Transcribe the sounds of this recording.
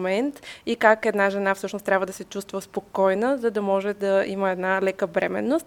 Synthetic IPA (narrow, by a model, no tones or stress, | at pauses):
mɛnt̪ikakɛd̪naʒɛnafsɤʃnost̪ɾʲabvəd̪ɐsɛt͡ʃust̪vəspokɔjnəzəd̪ɐmɔʒɛd̪ɐiməɛd̪nalɛkəbɾɛmɛ̰nːost̪